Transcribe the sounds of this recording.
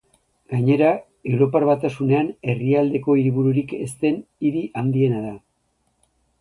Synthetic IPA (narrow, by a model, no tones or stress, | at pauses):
ɡ̥aɲe̞ɾa | e̞wɾo̞paɾβat̪asune̞ane̞riald̪e̞ko̞iɾiβuɾuɾike̞st̪e̞niɾiʔand̪ie̞naða